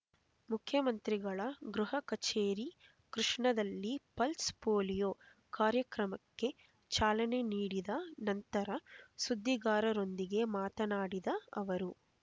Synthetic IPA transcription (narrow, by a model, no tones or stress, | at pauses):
mukʰjɐmɐnt̪ɾiɡɐɭɐɡɾuɦɐkɐt͡ʃeːɾi | kɾuʂɳɐd̪ɐlːipɐlspoːlijoː | kaːɾjɐkɾɐmɐkːe̞ | t͡ʃaːlɐne̞niːɽid̪ɐnɐnt̪ɐɾɐsud̪ʱːiɡaːɾɐɾo̞nd̪iɡe̞maːt̪ɐnaːɽid̪ɐɐʋɐɾu